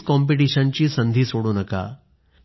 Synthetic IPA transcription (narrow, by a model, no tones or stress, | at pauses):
kɔmpiʈiɕɐnt͡ɕiːsənd̪ʱisoːɽunɐka̰